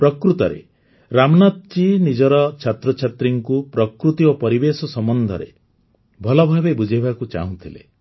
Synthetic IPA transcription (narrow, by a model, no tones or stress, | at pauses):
pɾɔkɾut̪ɔɾḛ | ɾamɔnat̪̚t͡ʃinid͡ʒɔɾɔt͡ʃʰat̪ɾɔt͡ʃʰat̪ɾiŋkupɾɔkɾut̪iopɔɾibesɔsɔmɔnd̪ʱɔ̰ɾḛ | bʱɔlɔbʱabebud͡ʒʱibakut͡ʃa̰ɦũt̪ʰilḛ